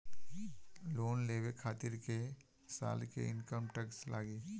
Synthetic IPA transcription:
loːnleːwekʰaːt̪ɪɾke | sa̰ːlkḛɪnkəmʈəkslʔa̰ːɡeː

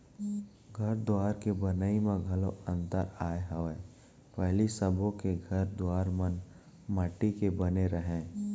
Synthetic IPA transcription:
ɡʱɐɾd̪oaːɾkebɐnəimẽɡʱɐlo̰ʔə̃nt̪əɾaːeɦəʋeː | pɛɦlisəbõkeɡʱɐɾd̪oaːɾmən | məʈikebɐneɾəɦẽː

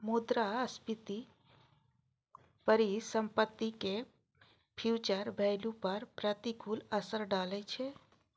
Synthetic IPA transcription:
mud̪ɾaəspit̪i | pəɾisəmpət̪ːike | pʰjut͡ʃəɾbʱɛɪlupəɾpɾət̪ikʰuləsəɾɖalɛt͡ʃʰɛ

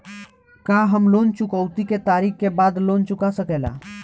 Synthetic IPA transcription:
kaɦəmlont͡ʃʊkəʊt̪iket̪aɾikkebad̪lont͡ʃʊkasəkɛla̰

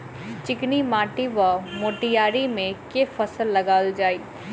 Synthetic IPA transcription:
t͡ʃɪknimaːʈiʋamoːʈijaːɾimẽkefɐsəlːɐɡaːld͡ʒaːiː

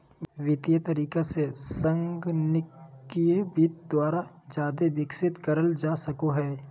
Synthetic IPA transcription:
ʋɪt̪ijət̪ɐɾiːkasesə̃ŋɡnɪkːiebit̪̚d̪waːɾa | d͡ʒjaːd̪ebɪksɪt̪kɐɾəld͡ʒaːsɐkoɦɛː

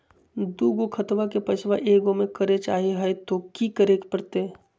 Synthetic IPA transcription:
d̪uːɡokʰɐt̪ʋakepɐt͡ʃʰʋaʔeːɡõmẽkəɾet͡ʃaːɦeɦɛet̪okikəɾekpɐɾt̪e

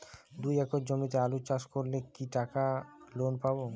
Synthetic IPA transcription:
d̪ujɛkoɾd͡ʑomit̪ealut͡ɕaʃkoɾlekiʈakalonpabo

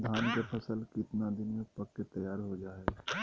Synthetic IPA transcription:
d̪ʱaːnkepʰɐsəlkɪt̪nad̪ɪnmẽpɐkːet̪ɐjaːɾɦod͡ʒaːe

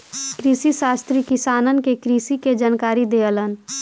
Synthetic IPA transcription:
kɾiːsiʃaːst̪ɾikɪsaːnənkekɾiːsiked͡ʒankaːɾid̪eːələn

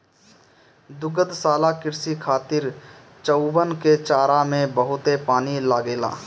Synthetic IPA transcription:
d̪ʊɡəd̪saːlakɪɾsikʰaːt̪ɪɾ | t͡ʃəʊbənket͡ʃaːɾamẽbəɦʊt̪epaːnilaːɡeːla̰ː

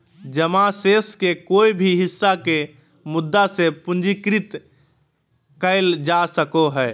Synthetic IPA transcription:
d͡ʒəmaseskekoibʱiɦisːake | mʊd̪ːasepũnd͡ʒikɾit̪ | kəɪld͡ʒasəkoɦɛː

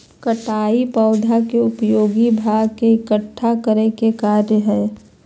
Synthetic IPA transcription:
kəʈaːipɔːd̪ʱakeʊpjoːɡibʱaːɡkeɪkəʈʰːakəɾekekaːɾjəɦɛ̃ː

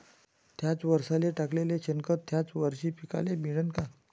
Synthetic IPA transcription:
t̪ʰjat͡sʋəɾsaleʈakleleɕənkət̪ʰːjat͡sʋəɾɕiːpika̰lebiɽənka

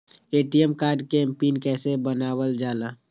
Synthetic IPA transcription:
eːʈiemkaːɾɖkempiːnkɛːsebənaːwəld͡ʒaːlaː

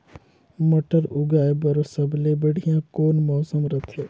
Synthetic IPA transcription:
mɐʈəɾʊɡaːebɐɾosɐblebəɽ̤ijãkoːnmɔːsəmɾɐt̪ʰeː

